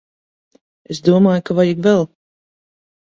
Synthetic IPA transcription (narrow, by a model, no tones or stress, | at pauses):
esd̪uɔmaːjukavajiɡvɛlˠ